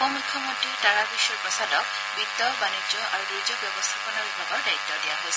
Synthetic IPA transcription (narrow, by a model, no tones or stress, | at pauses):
ɔmujkʰːjɔmɔntitaɹabiʃuɹpɹɔsadɔk̚ | bit̪ːɔbaned͡ʒɔʔaɹudizɔbjɔbɔst̪ʰapɔnɔbibʱaɡɔɹdait̪ːɔdija̰ɦojs